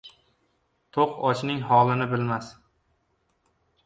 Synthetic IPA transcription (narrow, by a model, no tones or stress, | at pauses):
t̪ʰoqɒt͡ʃnɪŋhɒlˠɪnɪbɪlmas